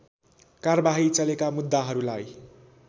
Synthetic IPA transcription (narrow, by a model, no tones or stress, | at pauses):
karʌbaɦit͡sʌlekamud̪ːaɦʌɾulaj